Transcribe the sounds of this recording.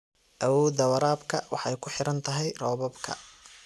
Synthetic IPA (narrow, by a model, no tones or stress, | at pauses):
ʔɐwɔːd̪ɐwɐɾaːbkʰɐwɑħɑjkʰʊħɪɾɐnt̪ʰɐɦɛjrɔːβɐbkʰɐ̰